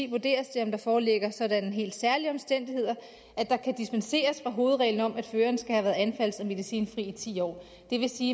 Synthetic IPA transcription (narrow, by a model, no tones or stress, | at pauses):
ḭːʋuɐd̥e̝̰ːɐsd̥e̝ɒ̽md̥ɑ̈fɒːleɡ̥ɐsɒ̽dænəɦe̝̰ːld̥sæɐliɒ̽msd̥en̰d̥ihe̝ð̞̰ˠɐ | ʔæd̥ɑ̈kʰæd̥isb̥ænse̝̰ːɐsfʁɑ̈ɦo̝ːð̩ˠʁɛ̰ːln̩ɒ̽m̰ʔæd̥føːɐnəsɡ̥æhæʋæːɐð̩ˠænfæl̰sɒme̝ð̞ˠisḭːnfʁḭːit͡sʰḭːɒ̰ː | d̥e̝ʋe̝siː